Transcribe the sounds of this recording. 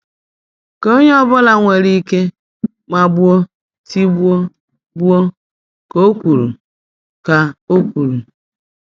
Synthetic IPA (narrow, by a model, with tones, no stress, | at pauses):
ko˦ɲe˦ɔ˦bʊ˦la˨ŋʷe˨ɾi˦ke˦ | ma˨bʊ˦o˦ | ti˦bu˦o˦ | bu˦o˦ | ko˦kʷu˨ɾu˨ | ka˨o˦kʷu˨ɾu˨